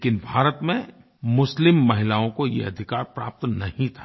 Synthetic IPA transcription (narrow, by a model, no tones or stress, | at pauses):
kɪnbʱaːɾət̪mẽ | mʊslɪmːɐɦɪlaːõkojḛɐd̪ʱɪkaːɾpɾa̰ːp̚t̪nɐhĩt̪ʰḁ